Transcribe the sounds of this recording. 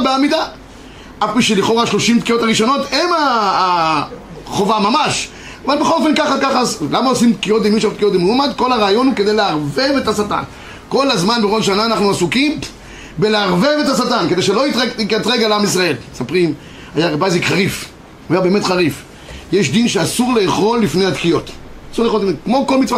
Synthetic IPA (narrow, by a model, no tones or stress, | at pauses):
beamid̪a | ʔafpiʃeliχo̞ʁaaʃlo̞ʃimtkijo̞taʁiʃo̞no̞temaː | χovamamaʃ | avalbeχolofe̞nkaχakaχazlamaosimtkijot̪imiʃaʁt̪̚kijot̪imuumad̪kolaʁaːjo̞nuked̪ejleaʁvevet̪asat̪a̰n | ko̞lazmanbeʁodʃanaːnaχnuasukim | beleaʁve̞ve̞t̪asatanke̞d̪eʃelo̞itʁeietʁeɡalamis̬ʁae̞lmesapʁim | ajaʁebajzikχaʁif | uajabeːmetχaʁif | jeʃ̬d̪inʃeasuʁleːχo̞lːifnejat̪kijo̞t | asuʁleːχootekmo̞kolmitt͡sva